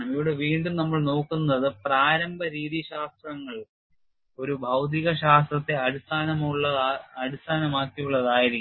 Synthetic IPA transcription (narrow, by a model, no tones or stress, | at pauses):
ɐmiʋiɽe̞ʋiːɳɖumnɐmːɐɭno̞ːkːunːɐðɨpraːɾɐmbʱɐɾiːðiɕaːst̪rɐŋːɐɭ | o̞ɾubʱɐwt̪̬iɣɐɕaːst̪rɐt̪ːe̞ɐɾust̪ʰaːnɐmɭːɐɐɾust̪ʰaːnɐmaːkːijuɭːɐðaːjiɾikʲː